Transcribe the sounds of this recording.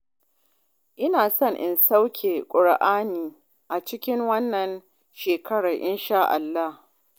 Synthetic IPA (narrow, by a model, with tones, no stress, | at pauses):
ʔɪ˦naː˨sɔ˦ŋʔɪ˨nsa˦wkʲʰeː˨kʷʼʊ˨ɽʔaː˦niː˨ | ʔa˨t͡ʃɪ˦kʲɪ˦ŋwɐ˦nːɐ˨n | ʃeː˨kʰɐ˦ɽa˨ʔɪ˦nʃaː˦ʔa̰˨lːa˦h